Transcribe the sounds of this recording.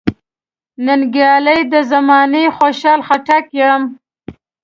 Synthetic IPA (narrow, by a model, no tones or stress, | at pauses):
nənɡjɑləjd̪əzamɑnexoʃɑlxaʈakjam